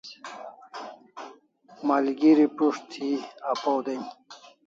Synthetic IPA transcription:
malɡiɾipuʂt̪ʰiapowd̪en

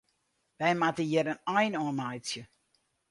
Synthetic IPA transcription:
ʋɛjmatəjɛɾənɔjnɔːnajsjə

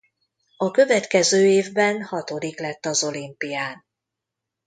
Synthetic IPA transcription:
ɒkø̞vɛt̪kɛzøːeːvbɛnhɒt̪o̞d̪iklɛt̪ːɒzo̞limpijaːn

